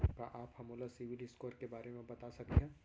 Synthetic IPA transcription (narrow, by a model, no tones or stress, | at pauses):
kaʔaːphɐmoːlasɪʋɪlɪskoːɾkebaːɾemẽbɐt̪asɐkiɦãː